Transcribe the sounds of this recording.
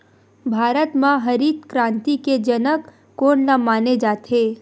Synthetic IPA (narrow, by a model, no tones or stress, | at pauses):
bʱaːɾət̪mãɦɐɾiːt̪kɾãːnt̪iked͡ʒɐnəkː | oːnnamaːned͡ʒaːt̪ʰeː